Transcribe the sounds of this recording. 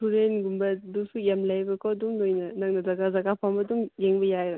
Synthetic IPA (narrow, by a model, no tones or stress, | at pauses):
tʰuɾenɡumbɐdusujamlajbɐkoduŋlojnɐnaŋnɐzaɡazaɡapʰambɐduŋjeŋbɐjaɾɐ